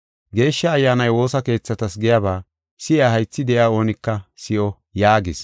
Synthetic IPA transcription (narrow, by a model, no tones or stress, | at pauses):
ɡe̞ːʃːɐːjːaːnɐjwo̞ːsɐke̞ːt͡sːɐt̪ɐsɡɪjabaː | sɪaːhɐjt͡sːɪd̪ɛʔɪjaːo̞ːnɪkːɐsɪʔɔ | jaːɡɪs